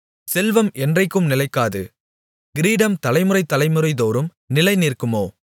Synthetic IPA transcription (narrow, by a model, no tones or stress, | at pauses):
sɛlʋɐmʔɛndrɐɪkːɯmnɪlɐɪkːaːðɯ̰ | ɡ̥ɪɾiːɖɐmt̪ɐlɐɪmɯɾɐɪt̪ːɐlɐɪmɯrɐɪðoːɾɯm | nɪlɐɪniːrkɯmoː